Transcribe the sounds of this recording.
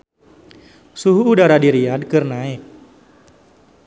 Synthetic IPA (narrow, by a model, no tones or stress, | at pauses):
suɦuːdaɾadiɾiad̚kɨrnaɪk̚